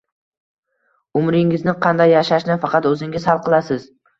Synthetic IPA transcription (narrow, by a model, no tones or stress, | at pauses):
ʊmɾɪŋɪznɪqʰɑnd̪ajːaʃaʃnɪfɑqʰɑt̪ɵzɪŋʲɪzhalˠqɨlˠasɪz